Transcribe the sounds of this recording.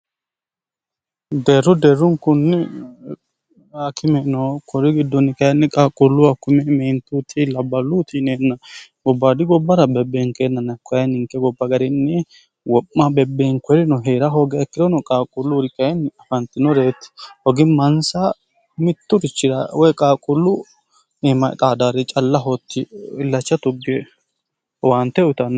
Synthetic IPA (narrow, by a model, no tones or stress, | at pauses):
d̪eːɾːɔd̪eːrːʊŋkʊnːɪ | akʰɪmɛnɔkʰɔɾɪɡɪd̪ːɔnːɪkʼɐjnːɪkʼaːkʼʊlːʊɐkːʊmɛmɛnt̪uːt̪ʰilɐbːɐluːt̪ʰineːnːɐɡɔbːaːd̪ɪɡɔbːɐɾɐbɛbːeːŋkeːnːɐnɐkːɔjɐnɪŋkːɛɡɔbːɐɡɐɾɪnːɪ | wɔpːɐbɛbːeːŋkɔɾɪnɔɦeːɾɐɦɔɡɛɛkːɪd̪ɔnɔkʼaːkʼʊlːʊɾɪkʼːɐnɐfɐnt̪ːɪnɔɾeːt̪ːɪ̥hɔɡɪmɐnsɐ | mɪt̪ːʊɾɪt͡ʃːɪɾɐ̰wɔjkʼaːkʼʊlːʊ | nemɐ̰k̪ʼaːd̪aɾɛt͡ʃʼɐlːɐɦɔt̪ːɪɪlːɐt͡ʃːɐt̪ʊɡɛ | want̪ːɛʊt̪ɐnː